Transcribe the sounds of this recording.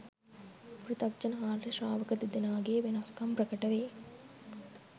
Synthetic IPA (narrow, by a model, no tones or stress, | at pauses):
pɾit̪ɐk̚t͡ʃɐnɐɦaːlɾɐʃaːʋɐkɐt̪id̪inaːɡeːʋinaskɐmpɾɐkɐʈɐʋeː